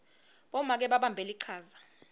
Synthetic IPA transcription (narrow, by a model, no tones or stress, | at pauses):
ɓɔmak̬ɛɓaɓambʱeliǀʰaːza